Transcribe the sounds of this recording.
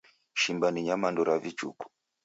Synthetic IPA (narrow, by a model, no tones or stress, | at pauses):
ʃimbaniɲamandɔɾavit͡ʃṵku̥